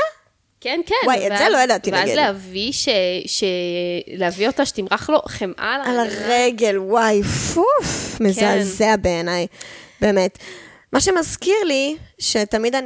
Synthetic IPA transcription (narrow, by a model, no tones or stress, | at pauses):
a | kɛnkenwajetzelojad̪at̪inaɡḭleaviʃeʃeleavio̞taʃe̥timʁaχlo̞χemʔa̰lalaʁeɡe̞lwajfufmezazeabeːnajbeːmet | maʃemazkiʁliʃet̪amid̪an